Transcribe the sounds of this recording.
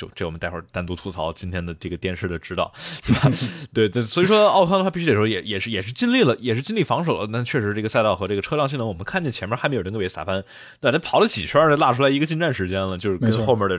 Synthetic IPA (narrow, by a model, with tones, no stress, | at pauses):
t͡ɕjo˥˧ʊʈ͡ʂe˥˩wɔ˩ə˦nt̪a˥˧xwə̰˥˩t̪a˥nt̪u˧˥t̪ʰu˥˩t͡sʰɑ˧˥ʊt͡ɕi˥nt̪ʰjɛ˥nd̪ə˨ʈ͡ʂɤ˥˩ɡə˩t̪jɛ˥nʂ̩˥˩d̪ə˩ʈ͡ʂɻ̩˥t̪ɑ̰˥˩ʊt̪we˥˩t̪we˥˩t̪a˥˩swɔ˧˥i˨˩ʂwɔ˥ɑ˥˧ʊkʰɑ˥ŋə˧xpi˧˥ɻ̩˥e˨˩˥wjɛ˨˩jɛ˨˩ʂɻ̩˥˩jɛ˨˩ʂɻ̩˥˧t͡ɕi˥nli˥˩lə˩jɛ˨˩ʂɻ̩˥˩t͡ɕi˥nli˥˩fɑ˧˥ŋʂo˨˩ʊlə˦t̪a˥˩t͡ɕʰɥɛ˥˩ʂɻ̩˧˥ʈ͡ʂɤ˥˩ə˩sa˥˧ɪt̪ɑ˥˩ʊxɤ˧˥ʈ͡ʂɤ˥˩ɡə˩ʈ͡ʂʰɤ˥ljɑ˥˧ŋɕ̬i˥˩nə˥wɔ˨˩ə˦ŋkʰa˥˧nt͡ɕjɛ˥˩nt͡ɕʰɛ˧˥mʲɛ˧˥xm˧˥j̪ʰjsa̰˨˩fa˥n | t̪a˥˩t̪ʰa˥pʰɑ˨˥ʊlə˧t͡ɕʰḭ˨˩ʂʰwa˥˧˥la˥˩ʈ͡ʂʰu˥la˧˥ɪi˧˥ɡə˧t͡ɕi˥˧nʈ͡ʂa˥˩nʂɻ̩˧˥t͡ɕjɛ˥nlə˨t͡ɕjo˥˧ʊʂɻ̩˥˧˥xo˥˧ʊmə˞˥˩də˩